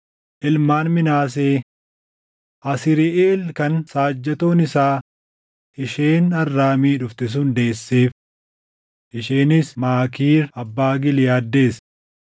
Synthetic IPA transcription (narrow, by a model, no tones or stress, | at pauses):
ʔɪlmaːnmɪnaːs̬eː | ʔɐsɪɾɪʔeːlkɐnsaːd͡ʒːɐt̪o̞ːnɪsaː | ɪʃeːnɐrːaːmiːᶑʊft̪ɪs̬ʊnd̪e̞ːsːeːf | ʔɪʃeːnɪsmaːkiːɾɐbːaːɡɪlɪjaːd̪ːe̞ːs